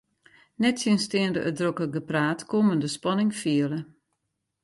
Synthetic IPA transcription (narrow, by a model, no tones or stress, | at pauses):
nɛtsiənstɪəndəʔədrokəɡəpraːtkoməndəspɑnɪŋfiələ